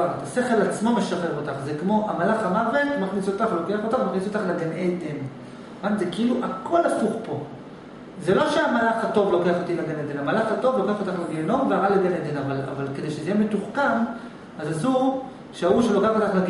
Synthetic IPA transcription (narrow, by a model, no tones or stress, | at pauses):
at̪ase̞χe̞lat͡smo̞me̞ʃaχe̞ʁo̞t̪aχzekmo̞ʔamalaχamave̞tmaχnisot̪aχlo̞ke̞aχot̪aχmaχnisot̪aχleɡanʔejd̪en | vanzekiiluʔakʰo̞lafuχpo̞ | zelo̞ʃeamalaχhato̞vlo̞ke̞aχo̞t̪ileɡened̪enamalaχato̞vlo̞keaχot̪aχleɡieno̞mveaʁaled̪ened̪enavala̰valked̪ejʃezijeme̞tuχkan | azazu | ʃeauʃelokeaot̪aχleɡ